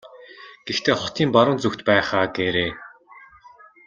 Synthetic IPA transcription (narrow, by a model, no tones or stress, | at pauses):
ɡ̥ext̪ʰeːχʊt̪ʰiːmpaɾʊ̆ːnt͡suxt̪pæːχaːɡeɾeː